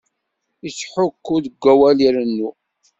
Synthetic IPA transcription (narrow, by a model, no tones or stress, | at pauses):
isħʊkːuðəɡʷːæwæliɾənːu